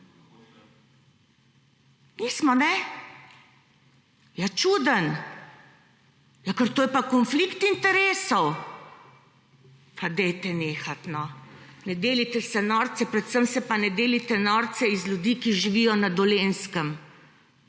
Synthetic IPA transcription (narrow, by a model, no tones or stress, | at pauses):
niːsmɔnɛ | jat͡ʃuːd̪ən | jakəɾt̪oːjɛpakɔnflikt̪int̪ɛɾeːsɔw | fad̪ɛjt̪ɛneːxat̪nɔnɛd̪eːlit̪ɛsɛnɔːɾt̪sɛpɾɛt̪səmsɛpanɛd̪eːlit̪ɛnɔːɾt̪t͡ssɛizlʲjud̪iːkiʒiʋijɔnad̪ɔleːnskəm